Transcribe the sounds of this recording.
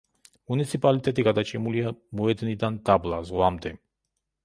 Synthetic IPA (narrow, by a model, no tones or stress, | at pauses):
munit̪sʰipʼalit̪ʼɛt̪ʼiɡad̪at͡ʃʼimuliamuɛd̪nid̪and̪ablˠazʁwamd̪ɛ